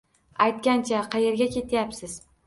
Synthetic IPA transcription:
ajt̪̚kʲant͡ʃʰaqʰɑje̞ɾɡʲakʲʰe̞t̪ʰjapsɪz̥

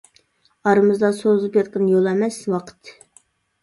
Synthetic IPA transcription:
ɑɾɨmɨzd̪ɑsozɨpjɑt̪̚qənjolˠɛmɛswɑqʰə̥t̪

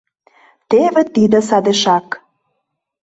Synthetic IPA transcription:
t̪eβĕt̪id̪ə̆sɑd̪eʃɑk

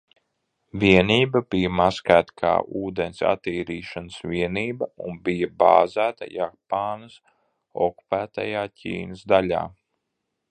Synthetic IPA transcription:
vʲiɛniːbabijɐmaskæːt̪kʰa̰ːʔuːd̪ensa̰t̪iːɾiːʃanəsviɛniːbɐunbijɐba̰ːzæːt̪a̰japaːnɐs | ɔ̰ku̥pæːt̪a̰jaːcʲʰḭːnəzd̪alʲa̰ː

